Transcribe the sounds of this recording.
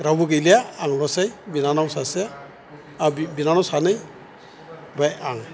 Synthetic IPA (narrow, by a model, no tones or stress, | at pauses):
ɾawbɯɡejlijaːŋlɔsajbinanawsase | abinanawsanɯj | bajaŋ